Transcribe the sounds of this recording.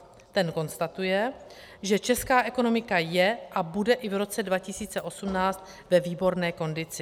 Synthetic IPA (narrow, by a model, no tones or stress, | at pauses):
t̪ɛnko̞nst̪at̪ujɛ | ʒɛt͡ʃɛskaːʔɛko̞no̞mɪkajɛʔabudɛʔɪvɾo̞t͡sɛdvacɪsiːt͡sɛʔo̞sumnaːt͡st̪ | vɛviːbo̞ɾnɛːko̞ndɪt͡sɪ